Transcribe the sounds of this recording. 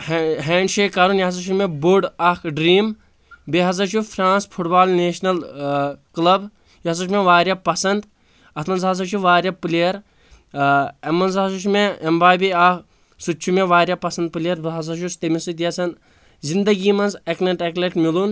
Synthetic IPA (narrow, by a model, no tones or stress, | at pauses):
ɦeːɳɖʃeːkɐɾunjɐɐs̬ɐʃʰumebuɖɐkɖɾiːm | beɦɐzɐt͡ʃʰupʰɾãːnspʰuʈbaːlneːʃnɐl | klɐb | jɐɐsɐʃmeʋaːɾjapɐsɐnd̪ | ɐt̪ʰmɐnzɦɐz̬ɐt͡ʃʰuʋaːɾjɐpliɐɾ | ɐmːɐnzɐsuʃumeɐmbaːbiɐk | sut͡ʃʰumeʋaːɾʲjɐpɐsɐnd̪̚pɨliɐɾbeɦɐzɐɾʃust̪emisut̪jɐsɐn | zind̪ɐɡiːmɐnzeknɐʈekleʈmilun